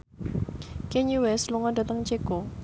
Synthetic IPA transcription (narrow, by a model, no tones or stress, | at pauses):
kɛɲuwɛsluŋɔda̤t̪əŋt͡ʃeko